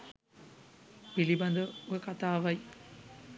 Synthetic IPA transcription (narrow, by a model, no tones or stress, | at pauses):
piliband̪əojəkat̪aːʋaj